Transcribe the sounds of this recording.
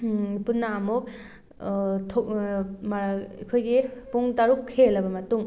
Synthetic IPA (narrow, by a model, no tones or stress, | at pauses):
punːaːmuk̚ | tʰomḭkʰojɡepuŋtaɾukʰːelɐbɐmɐtuŋ